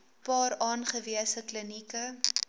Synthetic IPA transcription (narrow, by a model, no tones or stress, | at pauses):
pɑːrɑːnχəviəsəklənikə